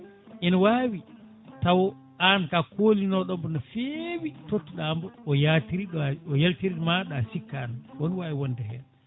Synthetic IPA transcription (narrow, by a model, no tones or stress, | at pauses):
ʔinawaːwi | tawɔ | ankakoːlinɔɗɔmbɔnɔfewitotːiɗambɔɔjatiɾiɗɔjaltiɾiɗmaɗasikːaːnawoniwawiwɔndɛhɛ̰n